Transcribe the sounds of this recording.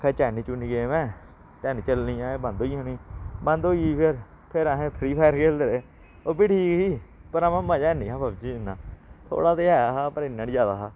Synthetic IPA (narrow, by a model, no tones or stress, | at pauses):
kʰɛːt͡ʃɛːnĩːt͡ʃuniːɡemɛ̃ː | t͡ʃɛːniːt͡ʃəlniːãːeːbãnd̪oːiːõːnĩːbãnd̪oːiːpʰɪɾ | pʰɪɾaːɦẽːpʰɾiːpʰaːəɾkʰeːld̪əɾeː | oːbɪʈiːkiːpəɾaːmɛ̃ːmãːd͡ʒaːniːɦãːbaːbd͡ʒiːɪnːãːt̪ʰo̰ːɽaːt̪eːɛːaːɦaːpəɾɪnːãːnid͡ʒaːd̪aːɦaː